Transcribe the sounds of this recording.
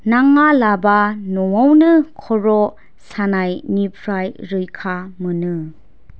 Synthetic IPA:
naŋalabanɔwawnɯkʰɔɾɔ | sanajnipʰɾajɾɯjkʰamɯnɯ

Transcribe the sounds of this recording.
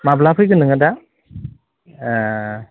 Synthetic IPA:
mablapʰɯjɡɯnɯŋɯda

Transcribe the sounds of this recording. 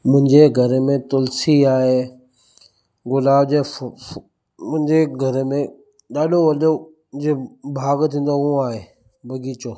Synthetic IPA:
mʊ̃ɦɪ̃ɲd͡ʑeɡʱɐɾmẽt̪ʊlsiaːɦe | ɡʊlaːbd͡ʑe | mʊ̃ɦɪ̃ɲd͡ʑeɡʱɐɾmẽ | ɗaːɗoʋɐɗo | d͡ʑeːbʱaːɡt̪ʰĩːn̆d̪oɦũaːɦeː | bʱɐɡiːt͡ɕoː

